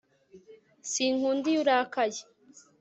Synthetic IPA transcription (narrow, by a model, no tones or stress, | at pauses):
siŋhuːndijuɾaːkaje